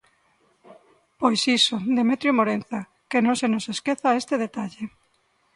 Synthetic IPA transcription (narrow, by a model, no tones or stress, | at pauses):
pojsisod̪emet̪ɾjomoɾenθa | kenõŋsenoseskeθaest̪eð̞et̪aʎe